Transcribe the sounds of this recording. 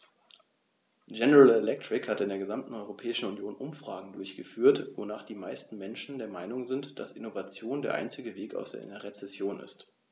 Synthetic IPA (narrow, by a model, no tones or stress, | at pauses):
ɡɛnəʁalɛlɛk̚tʁ̥ɪkhatɪndeːɐɡəzamtn̩ɔʏʁopʰɛːɪʃn̩unjoːnʔʊmfʁ̥aːɡŋ̩dʊɐçɡ̥əfyːɐtvonaːχd̥iːmaɪstn̩mɛnʃn̩deːɐmaɪnʊŋzɪntd̥a̰sʔɪnovat͡sjoːndeːɐʔa̰ɪnt͡sɪɡəveːka̰ʊsd̥eːɐʔɪ̰nɐʁet͡sɛsjoːnɪ̰st